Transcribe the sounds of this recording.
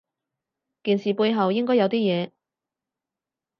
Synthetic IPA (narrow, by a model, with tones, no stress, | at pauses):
kiː˨˩nsiː˨˩puː˧jɦɐ˨wjɪ˥ŋkɔː˥jɐ˨˧wt̪iː˥jɛː˨˧